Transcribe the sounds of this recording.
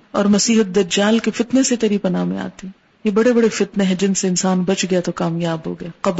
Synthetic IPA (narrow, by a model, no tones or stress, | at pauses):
ɔːɾmɐsiːɦət̪̚d̪ɐd͡ʒaːlkefɪt̪neset̪ɐɾiːpɐnaːmḛ̃a̰ːt̪e | jebɐɽebɐɽefɪt̪neɦɛ̃d͡ʒɪnseɪnsaːnbɐt͡ʃɡɐjat̪okaːmjaːbɦo̰ɡɐjaqɐb